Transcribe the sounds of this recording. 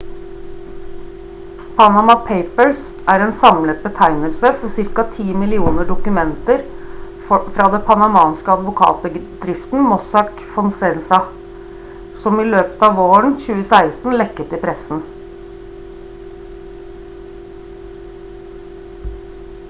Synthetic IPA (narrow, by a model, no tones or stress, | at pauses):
pʰɑnɑmɑpʰeɪpəɭs | ʔæːɾeːnsɑmlət̪̚bət̪ʰæɪnəlsəfɔsɪɾkɑt̪ʰiːmɪlɪuːnəɖʊkʉmɛnt̪əɾ | fɾɑːd̪ɛpʰɑnɑmɑːnskəɑd̪ʋʊkʰɑ̰ːt̪̚bəd̪ɾɪft̪n̩mɔsɑk | fɔnsɛnsɑ | sɔmiːløːpə̥t̪ɑːʋoːəɳ̩çʉːəsæɪst̪n̩lɛkːət̪ɪpʰɾɛsn̩